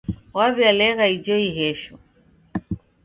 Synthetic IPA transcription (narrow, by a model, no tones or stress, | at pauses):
waβjalɛɣaid͡ʒɔiɦɛʃɔ